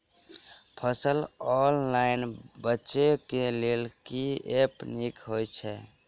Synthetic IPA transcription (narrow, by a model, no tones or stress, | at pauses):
pʰəsəlɔnlaɪnbətːʃekelelkiepnikɦojt͡ʃʰɛ